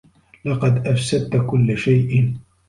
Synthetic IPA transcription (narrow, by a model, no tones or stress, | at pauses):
lɑqɑd̪ʔafsad̪̚t̪kʊlːʃajʔɪn